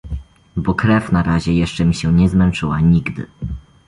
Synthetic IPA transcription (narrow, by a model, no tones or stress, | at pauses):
bɔkɾɛfnaɾaʑɛjɛʂt͡ʂɛmʲiɕɛɲɛzmɛnt͡ʂɘwaɲiɡd̪ɘ̰